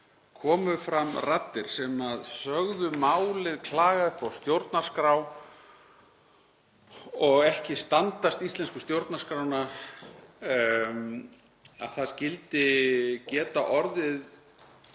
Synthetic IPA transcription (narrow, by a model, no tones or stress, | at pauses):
kʰɔːmʏfɾamːrat̪ːɪɾ̥sɛmaðsœɣðʏmawlɪðkʰlaːɣaʏhpawst̪jowɾt̪nar̥skɾaːw | ɔɣɛhcɪst̪ant̪ast̪ist̪lɛnskʏst̪jowɾt̪nḁskɾawna | a̰ðθaðscɪlt̪ɪcɛːt̪aʔɔɾðɪð